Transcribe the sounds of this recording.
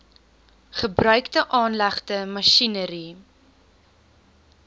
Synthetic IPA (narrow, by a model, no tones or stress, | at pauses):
χəbrœɥktəʔɑːnlæχtəmɐʃinəɾi